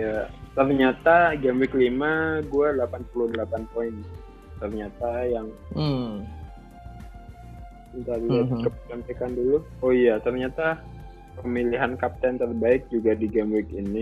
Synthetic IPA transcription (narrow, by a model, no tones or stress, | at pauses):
jat̪ərɲat̪aɡamwɪklimaɡuadəlapanpuludəlapanpoɪn | t̪ərɲat̪ajaŋ | int̪alat̪kəpət͡ʃampekandulʊoijat̪ərɲat̪a | pəmiliɦankap̚t̪ɛnt̪ərbaɪk̚d͡ʒuɡadiɡamwɪkini